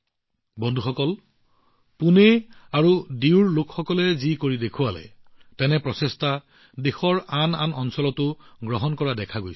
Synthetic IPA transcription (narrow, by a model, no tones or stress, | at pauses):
bɔndʱuxɔkɔl | puneaɹudiwɹlokxɔkɔlɛzikoɹidekʰuwalɛ̰ | tɛnɛpɹɔsesta | dexɔɹana̰nɔnsɔlɔtʊɡɹɔɦɔnkɔɹadɛkʰaɡojs